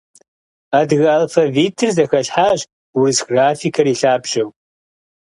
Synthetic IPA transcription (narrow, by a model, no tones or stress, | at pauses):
adɣɐlfɐviːtʰɨrzɐxɐɬħaːʑ | wɨzɡraːfikʰɐriːɬaːbʒɐw